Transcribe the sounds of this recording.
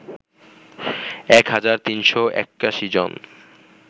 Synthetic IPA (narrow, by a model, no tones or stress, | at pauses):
ɛkɦad͡ʑaɾt̪inʃoʔɛ̰kːaʃid͡ʑo̰n